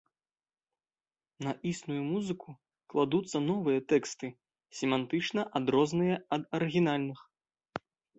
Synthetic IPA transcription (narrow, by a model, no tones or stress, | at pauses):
nɐʔisnujumuzɨku | klˠad̪ut̪sːɐnɔvɨjɐt̪ɛkst̪ɨ | sʲɛmant̪ɨt͡ʂnɐʔad̪ɾɔznɨjɐɐd̪ɐɾɨɣʲinalʲnɨx